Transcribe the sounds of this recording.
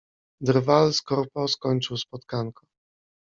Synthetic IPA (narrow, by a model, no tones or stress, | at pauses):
d̪ɾvalskɔɾpɔskɔɲt͡ʂɘwspɔt̪kaŋkɔ